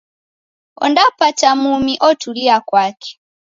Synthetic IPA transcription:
o̰ndapatamumiʔotuliakwaːkʰe̥

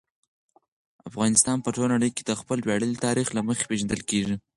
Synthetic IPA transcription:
afɣɑnɪst̪ɑnpəʈolnaɽəjked̪əxpəlwɑɽəlit̪ɑɾixlaməxe̥peʒand̪əlkeʐi

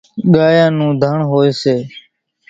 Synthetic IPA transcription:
ɠaːjãːnũːd̪ʱəɳɦoːeːseː

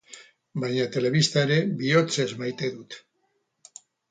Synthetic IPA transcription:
bajɲat̪e̞le̞βist̪aeɾe̞βio̞t͡se̞zmajt̪e̞ðut̪

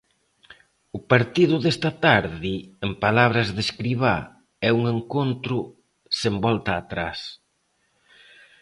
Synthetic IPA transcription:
ʊpaɾt̪iðʊðest̪ɐt̪aɾðiempalaβ̞ɾɐzðeskɾiβ̞a | ɛuŋeŋkont̪ɾʊ | sembɔlt̪ɐːt̪ɾas

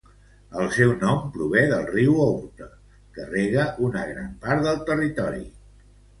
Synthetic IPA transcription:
əlˠsɛwnɔmpɾuβɛðəlˠriwout̪ə | kəreɣəʔunəɣɾampaɾt̪ðəlˠt̪ərit̪ɔɾḭ

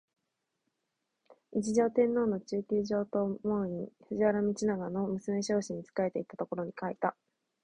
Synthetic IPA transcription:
id͡ʑiʑo̞ːt̪ẽ̞nːo̞ːno̞t͡ɕɨːkʲiːʑo̞ːt̪omoɲiɸɯ̟ʑiβaɾamʲit͡ɕinaɡano̞mɯ̟sɨme̞ɕo̞ːɕiɲ̟ːit͡sɨ̥kae̞t̪e̞it̪at̪o̞ko̞ɾo̞ɲ̟ikait̪a

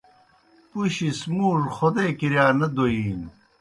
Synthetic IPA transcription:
puɕismuːɾxod̪eːkiɾjaːnɐd̪oiːn

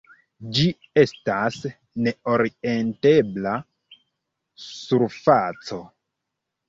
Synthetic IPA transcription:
d͡ʒi | e̞stas | ne̞o̞ɾiente̞bla | suɾfat͡so̞

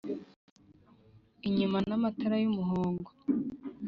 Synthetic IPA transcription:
iɲumanamataɾajumuɦoːŋɡo

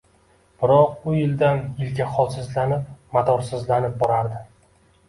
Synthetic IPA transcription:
b̥ɪɾɒq̚ʊjɪld̪anɪlɡʲaχɒlˠsɪzlanɪp̚mat̪ʰɒɾsɪzlanɪp̚bɒɾaɾd̪ɪ

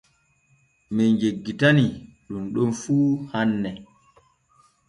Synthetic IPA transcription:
mid͡ʒeɡːitaniɗumɗunfuːhanːɛ

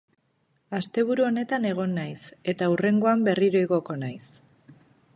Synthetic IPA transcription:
ast̪e̞β̞uɾuo̞ne̞t̪ane̞ɣ̞o̞nːajse̞t̪aure̞ŋɡo̞ambe̞riɾo̞eɣo̞ko̞najs

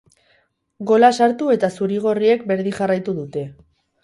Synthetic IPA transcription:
ɡo̞lasaɾt̪ue̞t̪asuɾiɣ̞o̞rie̞k̚be̞ɾðiʝarajt̪uðut̪e̞

